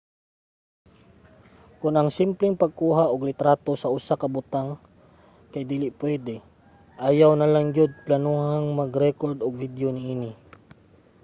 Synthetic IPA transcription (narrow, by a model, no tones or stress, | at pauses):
kʊnʔɐŋsɪmplɪŋpɐɡ̚kuːɦaʔʊɡlɪt̪ɾaːt̪osɐʔʊsakɐbʊt̪aŋ | kajd̪iːlɪʔpwɛd̪ɛ | ʔajawnɐlaŋjʊd̪̚planuhaŋmɐɡɾɛkoɹd̪ʊɡ̚vid̪jonɪʔiːnɪ